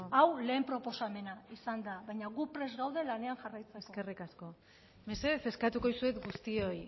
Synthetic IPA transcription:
awle̞ːmpɾo̞po̞same̞naisand̪aβajɲaɣupɾe̞zɣawðe̞lane̞aŋxarajt͡seeksoke̞rikasko̞ | me̞se̞ðese̞skat̪uko̞ðisuet̪ɡust̪io̞j

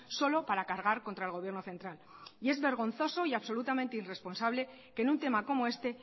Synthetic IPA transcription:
so̞lo̞paɾakaɾɣ̞aɾko̞nt̪ɾaelɣ̞o̞βje̞ɾno̞θe̞nt̪ɾalie̞zβe̞ɾɣ̞o̞n̟θo̞so̞iaβso̞lut̪amẽ̞nt̪eire̞spo̞nsaβle̞ | ke̞nunt̪e̞mako̞mo̞e̞st̪e̞

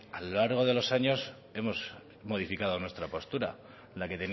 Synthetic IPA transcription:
alolaɾɣ̞o̞ðe̞lo̞saɲo̞s | e̞mo̞s | mo̞ðifikað̞o̞nwe̞st̪ɾapo̞st̪uɾa̰ | lake̞t̪e̞n

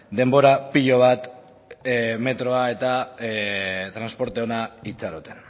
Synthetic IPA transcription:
d̪e̞mbo̞ɾapiʎo̞β̞at̪ | me̞t̪ɾo̞ae̞t̪a | t̪ɾanspo̞ɾt̪eonait͡saɾot̪en

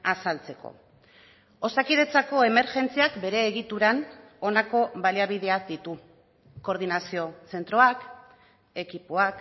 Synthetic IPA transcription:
asalt͡se̞ko̞̰ | o̞sakiðe̞t͡sako̞e̞me̞ɾʝe̞nt͡siakbe̞ɾe̞ːɣit̪uɾan | o̞nako̞βaliaβ̞iðe̞ad̪it̪u | ko̞ɾð̞inasio̞se̞nt̪ɾoak | e̞kipoak

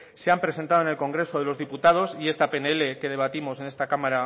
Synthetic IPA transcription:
seampɾe̞sent̪aðoene̞lko̞ŋɡɾe̞soð̞e̞lozðiput̪aðo̞sie̞st̪ape̞nele̞ke̞ð̞e̞β̞at̪imo̞se̞ne̞st̪akamaɾa

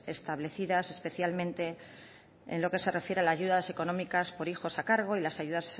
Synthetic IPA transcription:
e̞st̪aβle̞θiðase̞spe̞θjalmẽ̞nt̪e̞ | ḛnlo̞ke̞se̞re̞fje̞ɾealaːʝuðaðse̞ko̞nõ̞mikaspo̞ɾixo̞sakaɾɣ̞o̞ilasajuðas

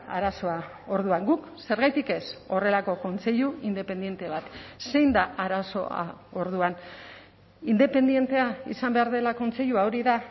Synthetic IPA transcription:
a̰ɾaso̞a | o̞ɾðuaŋɡuk | se̞ɾɣajt̪ike̞so̞re̞lako̞ko̞nt͡se̞ʎuind̪e̞pe̞nd̪je̞nt̪e̞β̞at̪se̞jnd̪aʔaɾaso̞a̰o̞ɾðuan | ind̪e̞pe̞nd̪ie̞nt̪e̞aisambe̞aɾð̞e̞lako̞nt͡se̞ʎuao̞ɾiða

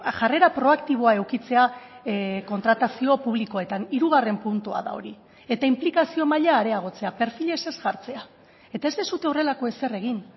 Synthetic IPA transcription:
ʝare̞ɾapɾo̞akt̪iβ̞o̞ae̞wkit͡se̞a | ko̞nt̪ɾat̪asio̞puβ̞liko̞e̞t̪aniɾuɣ̞are̞mpunt̪ua̰ða̰o̞̰ɾi | e̞t̪aimplikasio̞maʎaːɾe̞aɣ̞o̞t͡seape̞ɾfiʎe̞se̞zɣaɾt͡se̞a | e̞t̪ae̞zd̪esut̪e̞ore̞lako̞e̞se̞re̞ɣin

